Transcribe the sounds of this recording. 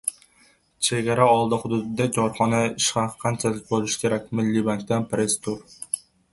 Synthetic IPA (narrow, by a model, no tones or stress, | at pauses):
t͡ʃʰeɡʲɛɾɛɒlˠd̪ɨχʊd̪ud̪ɨd̪ɛd͡ʒɑɾχɑnɛiʃqɑqʰænt͡ʃʰɛlɪk̚ʲbolˠuʃi̥kʲʰeɾɛkʲmɪlːibɑŋʲkʲd̪ɛnpɾest̪ʰuɾ